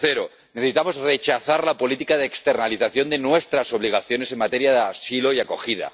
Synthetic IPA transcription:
θeɾo | neθeit̪amo̞zre̞t͡ʃaθaɾlapo̞lit̪ikaðeːkst̪eɾnaliθaθjo̞nd̪enwest̪ɾaso̞β̞liɣ̞aθjo̞ne̞se̞nmat̪e̞ɾjaðeasiloiako̞xið̞a̰

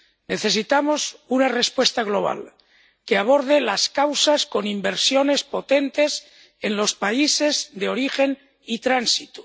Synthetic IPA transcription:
ne̞θe̞sit̪amo̞sunare̞spwe̞st̪aɣ̞lo̞β̞a̰l | keaβ̞o̞ɾð̞e̞laskawsasko̞nimbe̞ɾsjo̞ne̞spo̞t̪e̞nt̪e̞s | e̞nlo̞spaise̞zðe̞o̞ɾixe̞n | it̪ɾansit̪u̥

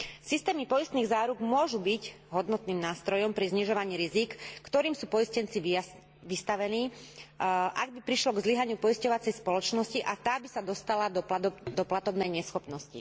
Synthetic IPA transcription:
sist̪ɛːmipɔjist̪niːɣzaːɾuɡmʊɔʒubiɟ | ɦɔd̪nɔt̪niːmnaːst̪ɾɔjɔmpɾizɲiʒɔʋaɲiːɾizikːt̪ɔɾiːmsuːpɔiscɛnt͡siʋi | ʋist̪aʋɛniː | ʔaɡ̚bipɾiʃlɔɡzliɦaɲɪupɔjiscɔʋat͡sɛjspɔlɔt͡ʃnɔsciʔat̪aːbisad̪ɔst̪alad̪ɔd̪ɔplat̪ɔbnɛjɲɛsxɔpnɔscḭ

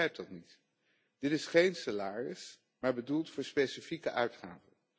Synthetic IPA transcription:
ɛjp̚tdɑtnit | d̥ɪtɪsχejnsalaːrɪs | maːɹbədulˠtfʊːɹspejsifikəʔœɥtχaːvən

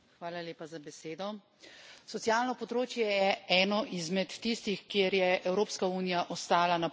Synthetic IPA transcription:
xʋaːlaleːpazabɛseːd̪ɔ | sɔt̪ijaːlnɔpɔd̪ɾoːt͡ʃjɛjɛɛːnɔʔizmɛt̪ːist̪ixkjeːɾjɛʔɛwɾoːpskauːnijaʔɔst̪aːlana

